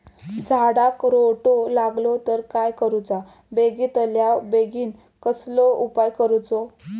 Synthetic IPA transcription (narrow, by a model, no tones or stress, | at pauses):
d͡zʱaɽakɾoʈolaɡlot̪əɾkajkəɾut͡sa | beɡit̪əljabeɡiːn | kəslɔupajkəɾut͡sɔ